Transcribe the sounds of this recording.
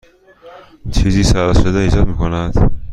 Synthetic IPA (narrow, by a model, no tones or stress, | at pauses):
t͡ʃʰiːziːsæɾɒʃod̪eiːd͡ʒɒːd̪̚miːkʰonæd̪̥